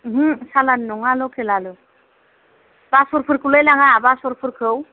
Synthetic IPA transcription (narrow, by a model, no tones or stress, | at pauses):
ɦusalanːuŋalokʰelalu | b̥asuɾpʰuɾkulejlaŋaːbasoɾpʰuɾkʰow